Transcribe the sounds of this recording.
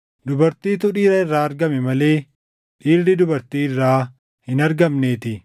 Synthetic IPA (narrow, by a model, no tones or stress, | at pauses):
d̪ʊbɐɾt̪iːt̪ʊᶑiːɾɐɪrːaːɐɾɡɐmɛmɐle̞ː | ᶑiːɾd̪ɪd̪ʊbɐɾt̪iːɪrːaː | hɪnɐɾɡɐmneːt̪ɪ